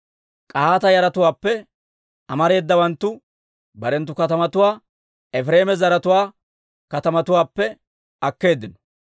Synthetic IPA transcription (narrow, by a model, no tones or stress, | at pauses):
kʼaːɐt̪ɐjɐɾɐt̪ʊwaːpːɛ | ʔɐmɐɾe̞ːd̪ːɐbɐnt̪ːʊ | bɐɾɛnt̪ːʊkɐt̪ɐmɐt̪ʊwaː | ɛfɾe̞ːmɛzɐɾɐt̪ʊwaː | kɐt̪ɐmɐt̪ʊwaːpːɛ | ɐkːe̞ːd̪ːɪnɔ̥